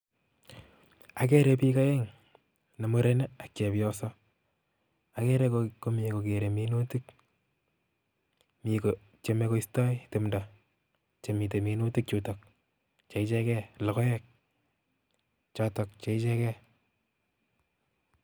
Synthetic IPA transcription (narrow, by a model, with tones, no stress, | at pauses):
a˨kɛ˦ɾe˨pi˦ka˦jɛ˦ŋ | ne˨mo˦ɾe˦ne˦a˨kt͡ʃe˨pjɔ˦sɔ˦ | a˨kɛ˦ɾe˦koko˦mi˨eko˨ke˨ɾe˨minu˦ti˦k | miko | t͡ʃe˨me˧ko˦istɔ˦jtɪ˨mda˨ | t͡ʃe˨mi˨te˨minu˦ti˦k̚t͡ʃu˨tɔk̚ | t͡ʃe˨it͡ʃɛ˦kɛ˦lɔ˨kɔ˦jɛ˦k̚ | t͡ʃɔtɔ˨k̚t͡ʃe˨i˦t͡ʃɛ˦kɛ˦